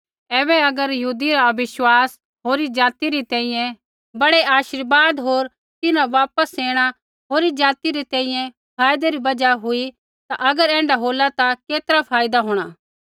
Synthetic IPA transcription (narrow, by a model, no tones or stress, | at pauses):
ɛːbɛɐɡəɾjɐɦuːd̪iɾaɐbɪʃwaːs | ɦoːɾid͡ʒaːt̪iɾit̪ɛ̃ːĩjɛ̃ | bɐɽeaːʃɪɾbaːd̪ɦoːɾ | t̪ɪnãʋaːpəseːɽ̃a | ɦoːɾid͡ʒaːt̪iɾit̪ɛ̃ːĩjɛ̃ | pʰaːjd̪eɾibɐd͡ʒaɦui | t̪aʔɐɡəɾɛ̃ːɳɖaɦoːlat̪akeːt̪əɾapʰaːjd̪aɦoːɽ̃aː